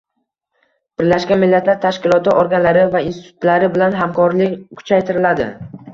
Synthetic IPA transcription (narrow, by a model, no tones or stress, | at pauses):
b̥ɪɾlaʃkʲanmɪlːat̪ʰlaɾt̪ʰaʃkʲɪlˠɒt̪ʰɪʔɒɾɡʲanlaɾɪvainsɪ̥t̪ʰʊt̪laɾɪbɪlanɦamkʰɒɾlɪkʲkʰʊ̥t͡ʃʰajt̪ʰɪɾɪlad̪ɪ̰